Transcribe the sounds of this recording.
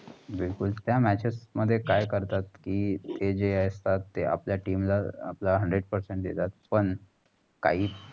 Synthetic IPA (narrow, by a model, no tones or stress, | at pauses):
bilkult̪jamæt͡ɕesməd̪ʱːjekajkəɾt̪at̪kiːt̪ed͡ʑeajst̪at̪ːea̰pljaʈiːmla̰ːplaɦəɳɖɾeɖpəɾseɳʈjḛt̪at̪̚pəɳ | ka̰ɦiː